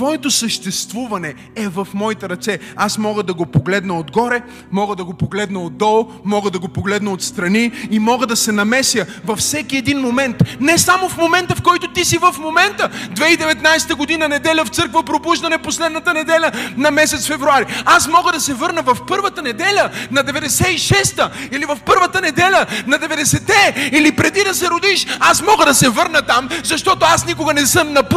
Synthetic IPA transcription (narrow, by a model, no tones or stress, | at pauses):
t̪vɔɛt̪osəʃt̪ɛst̪vuvɐnɛ | ɛvɐfmɔit̪ɛɾɐt̪sɛ | asmɔɡəd̪ɐɡopoɡlɛd̪nəod̪ɡɔɾɛ | mɔɡəd̪ɐɡopoɡlɛd̪nəod̪̚d̪ːɔlˠ | mɔɡəd̪ɐɡopoɡlɛd̪nəot̪st̪ɾɐniːmɔɡəd̪ɐsɛnɐmɛsjəvɐfsɛkiɛd̪inmomɛnt̪nɛsamofmomɛnt̪əfkɔjt̪ot̪isivɐfmomɛnt̪əd̪vɛid̪ɛvɛt̪najsɛt̪əɡod̪inənɛd̪ɛlʲəft̪sɤɾkvəpɾobuʒd̪ɐnɛposlɛd̪nɐt̪ənɛd̪ɛlʲənɐmɛsɛt̪sfɛvɾuaɾiasmɔɡəd̪ɐsɛvɤɾnəvɐfpɤɾvət̪ənɛd̪ɛlʲənɐd̪ɛvɛd̪ɛsɛiʃɛst̪əilivɐfpɤɾvət̪ənɛd̪ɛlʲənɐd̪ɛvɛd̪ɛsɛt̪ɛilipɾɛd̪id̪ɐsɛɾod̪iʃasmɔɡəd̪ɐsɛvɤɾnət̪amzɐʃt̪ɔt̪oasnikʊɡɐnɛsɤmnɐp